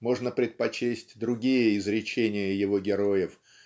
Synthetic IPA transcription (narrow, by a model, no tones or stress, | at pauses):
mo̞ʐnəpɾʲɪt̪̚pɐt͡ɕesʲtʲd̪ɾʊɡʲijəɪzɾʲɪt͡ɕenʲɪjəjɪvo̞ɡʲɪɾo̞jɪf